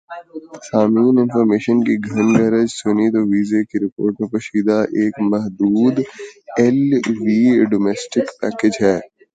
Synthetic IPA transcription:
saːmiːnɪnfɔːɾmeːʃənkiɡʱɐnɡɐɾəd͡ʒsʊnit̪oʋiːzekiɾɪpoːɾʈmẽpɐʃiːd̪aʔeːkmɐɦd̪uːd̪ɛlʋiːɖoːmɛːsʈɪkpɛːked͡ʒɦɛː

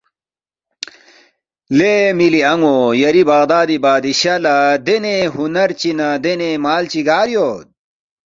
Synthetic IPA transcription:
lemiliɐŋojɐɾibɐɣd̪aːd̪ibaːd̪iɕɐlad̪eneɦunɐɾt͡ɕinɐd̪enemaːlt͡ɕiɡaːɾjoːd̪̚

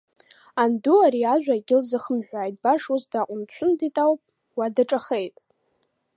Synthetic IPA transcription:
anduaɾiaʒᶣʷaɡʲɪlzɨχəmħᶣʷaːjtʼbaʂusdaqʷʼʊnt͡ʃʷʰʊnditʼawpʼ | wadaʈ͡ʂʼaχe̞jtʼ

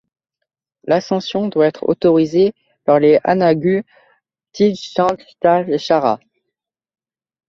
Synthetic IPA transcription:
lasɑ̃sjɔ̃d̪waɛt̪χo̰t̪ɔʁize | paʁlea̰naɡʲy | t̪iʃɑ̃t̪t̪aeʃaʁa̰

